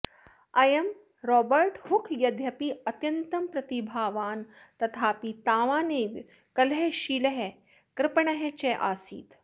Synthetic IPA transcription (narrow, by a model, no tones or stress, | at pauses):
ɐjɐm | ɾɔːbɐɾʈhukʰjɐd̪ʱjɐpiɐt̪jɐnt̪ɐmpɾɐt̪ibʱaːʋaːn | t̪ɐt̪ʰaːpit̪aːʋaːneːʋ | kɐlɦeʃiːlɐɦe | kɾɪpɐɳɐɦet͡ʃeʔa̰ːsḭːt̪